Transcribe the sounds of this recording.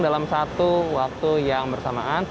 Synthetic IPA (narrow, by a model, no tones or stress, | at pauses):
dalamsat̪uwak̚t̪ujaŋbərsamaan